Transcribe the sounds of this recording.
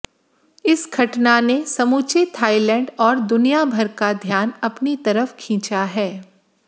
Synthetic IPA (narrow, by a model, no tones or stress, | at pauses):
ɪsɡʰʱɐʈnanesɐmuːt͡ʃet̪ʰaːilɛ̃ːɳɖɔːɾd̪ʊnijabʱɐɾkad̪ʱjaːnɐpnit̪ɐɾəfkʰĩːt͡ʃaɦɛː